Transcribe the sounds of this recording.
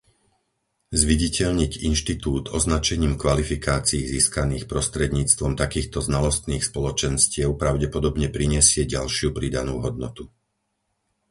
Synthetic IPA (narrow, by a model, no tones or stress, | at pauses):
zʋiɟicɛʎɲiɟḭnʃt̪it̪uːt̪ɔznat͡ʃɛɲiːmkʋalifikaːt͡siiːziːskaniːxpɾɔst̪ɾɛd̪ɲiːt͡st̪ʋɔmt̪akiːxt̪ɔznalɔst̪niːxspɔlɔt͡ʃɛnscɪɛʊpɾaʊɟɛpɔd̪ɔbɲɛpɾiɲɪɛsɪɛɟalʃɪupɾid̪anṵːɦɔd̪̚nɔt̪u